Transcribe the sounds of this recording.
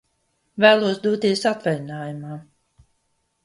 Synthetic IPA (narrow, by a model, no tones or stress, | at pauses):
væːlˠuɔsd̪uɔt̪iɛsat̪vɛj̪inaːjumaː